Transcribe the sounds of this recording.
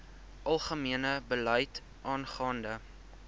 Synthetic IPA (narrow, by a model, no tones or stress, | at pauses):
ʔɐlˠχəmiənəbəlœjt | ʔɑːnχɑːndə